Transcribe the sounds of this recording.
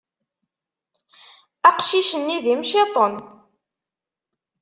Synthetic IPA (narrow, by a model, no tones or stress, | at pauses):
æqʃiʃənːiðimʃet̪ˤən